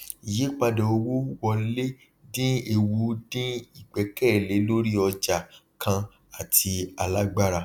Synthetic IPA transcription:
i˨je˨˦k͡pa˧dɔ̃˨o˧wo˦wɔ˧le˦ | dĩ˦e˧wu˨˦dĩ˦i˦˨ɡ͡bɛ˨˦kɛ˦˨le˨˦lo˦ɾi˦ɔ˧d͡ʒa˨kʰã˧ | a˨ti˧a˧la˦ɡ͡ba˦ɾa˧

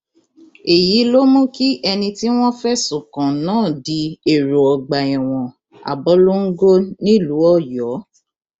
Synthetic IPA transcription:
e˨ji˨˦lo˦mũ˦ki˦ʔɛ˧nĩ˧ti˦w̃ɔ̃˦fɛ˦sũ˨kã˨nãː˦˨di˧˦e˨ɾo˨ɔ˨ɡ͡ba˨ɛ̃˨w̃ɔ̃˨ | a̰˨bɔ˨˦lo˦ŋ̩˦ɡo˦nĩ˦lu˨˦ɔ˦˨jɔ˨˦

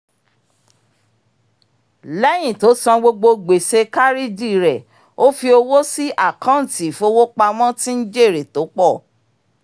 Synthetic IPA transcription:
lɛ˦j̃ĩ˨to˨˦sã˧ɡ͡bo˧ɡ͡bo˧ɡ͡be˨se˧ka˦ɾi˦di˦˨ɾɛ˨ | o˦fi˧o˧wo˦si˦ʔa˦˨kã˦n̩˨ti˨fo˧˦wo˦k͡pa˧mɔ̃˦tĩ˦n̩˦d͡ʒe˦˨ɾe˨to˨˦k͡pɔ˦˨

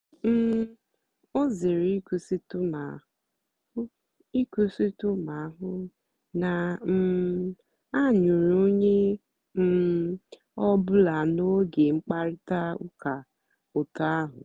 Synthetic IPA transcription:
m̩˦ | o˦zɪ˨ɾi˦ku˨si˦tʊ˦ma˨˦ | i˦ku˦si˦tʊ˦ma˨˦ɦʊ˦ | na˨m̩˦ | a˦˨ɲu˨ɾo˦ɲe˦ | m̩˦ | ɔ˦bʊ˦la˨no˦ɡe˨ŋ͡m̩˦k͡pa˦ɾɪ˦ta˦ʊ̰˦ka˨ | o˨ta˦a˦ɦʊ̰˨

